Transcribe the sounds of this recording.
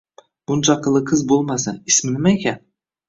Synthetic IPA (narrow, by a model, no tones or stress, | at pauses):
b̥ʊnt͡ʃʰɑqʰɨlˠɨqʰɨzbolˠmasaɪsmɪnɪmaekʲan